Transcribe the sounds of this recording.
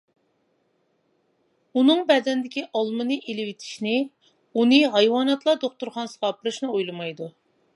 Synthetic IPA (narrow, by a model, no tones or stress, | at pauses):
unɨŋbɛd̪ɛnd̪ɪkʲiʔɑlˠmɨnɨʔelɪwɪt̪ʰɪ̥ʃnɪ | unɨɦɑjwɑːnɑt̪lˠɑd̪oχt̪uɾχɑnsɨʁɑːpʰɨɾɨʃnɨojlˠɨmɑjd̪u